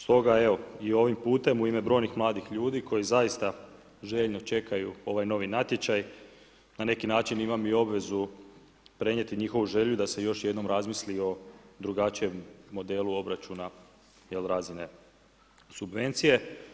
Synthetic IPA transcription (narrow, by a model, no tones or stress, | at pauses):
st̪o̞ɡae̞ʋo̞io̞ʋimpuːt̪e̞muime̞bɾo̞ːjnixmlˠaːd̪ixʎuːd̪iko̞jizaist̪a | ʒe̞ʎno̞t͡ʃe̞kajuo̞ʋajno̞ʋinat̪je̞t͡ʃaj | nane̞kinaːt͡ʃinimamio̞bʋe̞zu | pɾe̞ɲe̞t̪iɲixo̞ʋuʒe̞ʎud̪ase̞jo̞ʃje̞d̪no̞mɾazmislio̞d̪ɾuɡat͡ʃije̞mːo̞d̪e̞ːluo̞bɾat͡ʃuna | je̞lɾaːzine̞ | subʋe̞nt̪sije̞